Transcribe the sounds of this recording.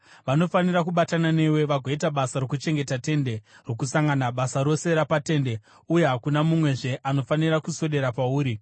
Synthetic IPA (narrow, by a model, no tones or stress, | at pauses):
ʋano̞fanirakuɓatanane̞we̞ʋaɡʱoitaɓasarokut͡ʃe̞ŋɡe̞tate̞nde̞rokusaŋɡanaɓasaɾo̞se̞ɾapate̞ːnde̞ | uje̞ɦakunamumwe̞ʐe̞ʔano̞fanirakuso̞ɗe̞ɾapauːɾi